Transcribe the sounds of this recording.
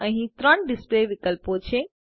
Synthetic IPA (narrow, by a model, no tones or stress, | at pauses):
ə̃ɦĩt̪ɾəɳɖispleʋikəlpot͡ʃʰe